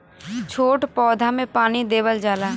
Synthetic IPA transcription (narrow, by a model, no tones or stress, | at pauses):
t͡ʃʰoːʈpɔːd̪ʱamẽpaːnid̪eːʋəld͡ʒaːlaː